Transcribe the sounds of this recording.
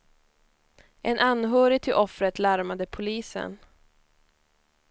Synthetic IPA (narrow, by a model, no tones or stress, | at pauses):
ʔɛnʔanːɦœːɾɪt̪ʰɪlʔɔfɾət̪laɾmad̪əpʰʊliːsə̰n